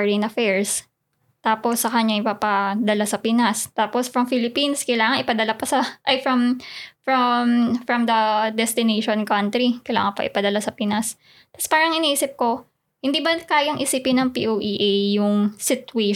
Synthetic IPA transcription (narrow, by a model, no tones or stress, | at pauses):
ɹɪnɐfɛɹs | t̪aːposːɐkɐɲaŋʔɪpapad̪ɐlasɐpɪnast̪aːposfɾɐmfilɪpinskɐjlaːŋɐŋɪpɐd̪ɐlapɐsɐʔɐjfɹɐmfɹɐmfɾɐmd̪ɐd̪ɛst̪ɪneʃonkɐnt̪ɾikɐjla̰ːŋɐnpɐ̰ʔɪpɐd̪ɐlasɐpinas | t̪ɐspaːɾɐŋɪniʔiːsɪp̚ko̞ | hɪnd̪iːbɐkaːjɐŋʔɪsipɪnɐŋpḭʔowʔiʔejːʊŋsɪt̪we